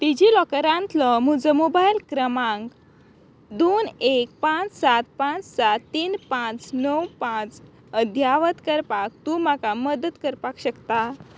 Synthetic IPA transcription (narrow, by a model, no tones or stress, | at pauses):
t̪id͡ʑilɔkəɾãnt̪lɔmud͡zəmobajlkɾəmãŋɡ | d̪onek̚pãt͡ssat̪̚pãt͡ssat̪t̪ːiːnpãt͡snəwpãt͡s | əd̪ʱjaʋət̪kəɾpak̚t̪uːm̤akaməd̪ət̪kəɾpakɕəkt̪a